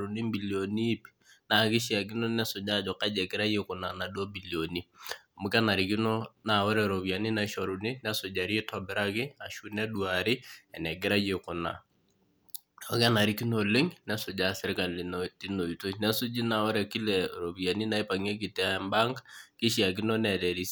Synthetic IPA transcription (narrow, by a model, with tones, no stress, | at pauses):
ɾu˨ni˦mbi˨lio˨ni˦pi̥ | na˨kɪ˦ʃja˨k̬i˦no˦nɛ˦sʊ˨d͡ʒa˦˨d͡ʒɔ˨ka˦d͡ʒɛ˨ɡɪ˦ɾa˦je˦kʊ˨na˨na˨dwo˦bi˨ljo˨ni˦ | mu˨kɛ˦na˨ɾi˨ki˦no˦na˨wɔ˦ɾɛ˨ɾo˨βi˨a˨ni˦na˨i˦ʃɔ˨ɾu˨ni˦nɛ˦sʊ˨d͡ʒa˨ɾi˦tɔ˨bɛ˨ɾa˦kɪ˦a˨ʃu˦nɛ˦dwa˨ɾɪ˦ɛ˨nɛ˨ɡɪ˦ɾa˦je˨ko˨na̰˨ | o˨˦kɛ˦na˨ɾi˦ki˦no˨lɪ˦ŋnɛ˦sʊ˨d͡ʒa˨sɪ˦ɾka˨li˨nti˦no˨i˨to˦nɛ˦sʊ˦d͡ʒi˦na˨wɔ˦ɾɛ˨ki˦lɛ˨ɾo˨βi˨a˨ni˦na˨i˦pa˨ŋe˦k̬i˨tɛ˦a˨mba˦ŋɡki˦ʃja˨k̬i˦no˦nɛ˨dɛ˨ɾi˦s